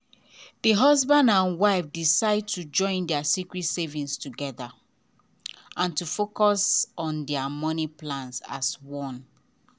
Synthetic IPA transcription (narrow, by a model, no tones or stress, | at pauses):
ðiɦɔzbãndãnwaɪfdisaɪd̚tud͡ʒɔ̃ɪ̃ndɛasikɹitsevĩnstuɡɛða | ʔãntufokɔsɔ̃ndɛamɔniplãnsa̰swɔ̃n